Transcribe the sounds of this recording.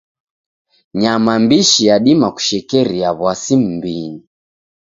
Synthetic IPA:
ɲamambiʃijaɗimaku̥ʃɛkɛɾiaβwasim̩biɲi

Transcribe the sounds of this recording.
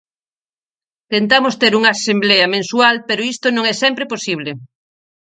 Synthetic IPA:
t̪ent̪amost̪eɾuŋɐːsembleɐmẽnsualpeɾoist̪onõŋɛsɛmpɾeposiβ̞le

